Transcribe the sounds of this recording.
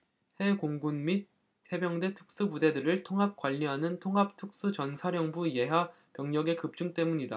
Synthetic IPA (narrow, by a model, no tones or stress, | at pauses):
he̞koŋɡunmit̚ | he̞bjʌŋde̞tʰɯ̥k̚s͈ɯpude̞dɯɾɯɭtʰoŋɦap̚kwaʎːiɦanɯntʰoŋɦap̚tʰɯk̚s͈ɯt͡ɕʌnsʰaɾjʌŋbuije̞ɦa | pjʌŋɲʌɡe̞kɯp̚t͡ɕ͈uŋt͈e̞muɲida